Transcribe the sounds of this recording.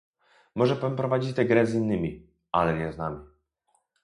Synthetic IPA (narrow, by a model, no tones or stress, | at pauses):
mɔʐɛpampɾɔvad͡ʑit͡ɕt̪ɛɡɾɛzinːɘmʲi | ʔalɛɲɛznamʲi